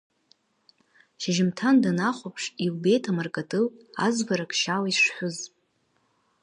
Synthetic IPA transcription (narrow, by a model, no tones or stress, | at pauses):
ʃaʒɪmtʰandanaχʷopʰʂiwbe̞jtʰamarkʼatʼɨlazvaɾakʼʃalaiʂħʷʊzʼ